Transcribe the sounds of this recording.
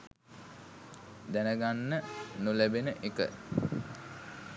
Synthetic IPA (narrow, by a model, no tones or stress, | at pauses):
d̪ænəɡanːənulæbenəʔekə̰